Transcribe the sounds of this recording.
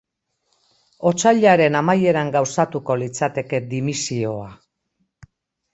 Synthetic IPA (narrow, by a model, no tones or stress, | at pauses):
o̞t͡saʎaɾe̞namaje̞ɾaŋɡawsat̪uko̞lit͡sat̪e̞ke̞d̪imisio̞a